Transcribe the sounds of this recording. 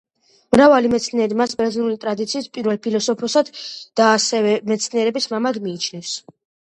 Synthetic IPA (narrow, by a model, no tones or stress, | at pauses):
mɾavalimɛt̪sʰniɛɾimasbɛɾzinulit̪ʼɾad̪it̪sʰiːspʼiɾvɛlpʰilɔsɔpʰɔsad̪̥aːsɛvɛmɛt̪sʰniɛɾɛbismamaɡmiːt͡ʃʰnɛfs